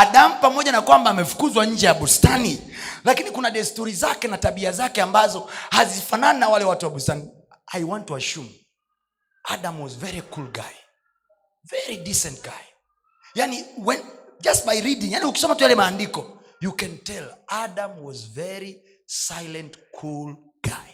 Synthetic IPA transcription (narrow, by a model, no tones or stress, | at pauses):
aɗam̩pamɔʄanakwambaːmɛfu̥kuzwaɲ̩d͡ʒɛjaɓustani | lakinikunaɗɛstuɾizakɛnataɓiazakɛambazɔhazifananinawalɛwatuwaɓustani | ajwantuaʃum | aɗamwɔzvɛɾikulɡa̰j | vɛɾidisɛ̃nt̚ɡaj | janiwɛnd͡ʒastbajɾidĩŋjanihuki̥sɔmatujalɛmaːndikɔ | jukɛ̃ntɛladamwɔzvɛɾi | sajlɛ̃ntkʰul | ɡ̥a̰j